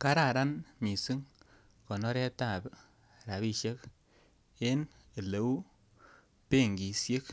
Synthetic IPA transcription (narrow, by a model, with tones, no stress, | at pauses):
ka˦ɾa˨ɾa˦nmi˨si˦ŋ | kɔ˨nɔ˦ɾɛ˦ta˦˨b | ɾa˨βi˦ʃe˦k | e˦n | e˨le˨wu˦ | pe˦˨ŋɡi˨sje˦k